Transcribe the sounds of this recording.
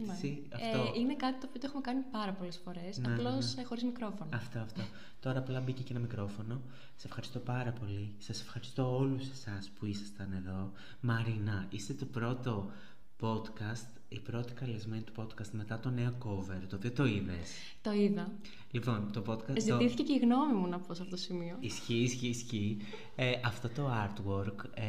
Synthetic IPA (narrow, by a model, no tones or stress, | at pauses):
si | ɐoinekɐt̪it̪oːpiot̪oexumekɐnipɐɾɐpo̞lesfo̞ɾe̞snɐelo̞sxo̞ɾizmikɾo̞fo̞nɐɐft̪oɐft̪o̞ | t̪o̞ɾɐːplɐbiceceenɐmikɾo̞fo̞no̞ | sɐ̥se̞fxɐɾist̪o̞pɐɾɐpo̞lisɐse̞fxɐɾist̪o̞oluse̞̥sɐspuisɐ̥st̪ɐne̞ðo̞ | mɐɾinɐist̪e̞t̪o̞pɾo̞t̪o̞ | po̞t̪kɐst̪ | ipɾo̞t̪i̥kɐle̞zme̞nit̪u̥po̞d̪kɐst̪me̞t̪ɐt̪o̞ne̞o̞kove̞ɾt̪oðiot̪o̞iðe̞̰s | t̪oiðɐ | lipo̞nt̪o̞pot̪kɐzitiθi̥ceceiɣno̞mimunɐpos̬ɐft̪ot̪osimioisçisçiːsçi | ʔɐft̪o̞t̪o̞ɐɾt̪woɾk